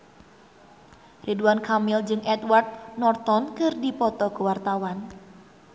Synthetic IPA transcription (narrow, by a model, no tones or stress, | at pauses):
rʔiduankamild͡ʒɨŋɛt̪wart̪̚nɔrt̪ɔnkɨrdipɔt̪ɔkəwart̪awan